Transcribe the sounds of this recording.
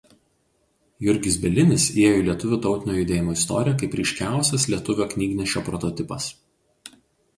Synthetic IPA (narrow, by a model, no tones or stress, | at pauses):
jʊɾʲɡʲɪsbʲɛlʲɪnʲɪseɛjoilʲiɛt̪ʊʋʲuːt̪ɒʊt̪ʲɪnʲoːjʊd̪ʲeːjɪmoːɪst̪ɔ̰ːɾʲijɛk̬ɐɪpɾʲiˑɪʃʲkʲæˑʊsʲɛslʲiɛt̪ʊʋʲoːknʲiːɡʲnʲɪʃʲt͡ʃʲoːpɾɔt̪ɔt̪ʲɪpɐs